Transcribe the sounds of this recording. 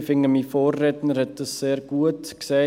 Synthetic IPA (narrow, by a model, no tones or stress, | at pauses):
fɪŋəmiːfɔːrːɛtnəɾhɛt̚d̥ɑsːeːɾɡ̥uətkseː